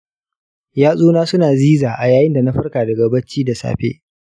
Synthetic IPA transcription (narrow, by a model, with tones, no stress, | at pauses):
jaː˦sʼuː˦naː˦sʊ˦naː˨ziː˦zaː˨ʔa˨jaː˨jɪ˦nda˨na˦ɸɐ˦rkaː˨dɐ˨ɡɐ˨bɐ˦t͡ʃːiː˦da˨sa̰ː˨ɸḛ˦